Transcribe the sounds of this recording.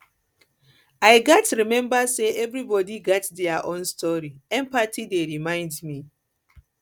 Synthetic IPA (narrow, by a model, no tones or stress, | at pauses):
ajɡɔtɹimɛ̃mbaseʔɛvɹibɔdiɡɔtdɛaʔõnstʰɔɹiɛ̃mpatʰideɹimãɪ̃ndmi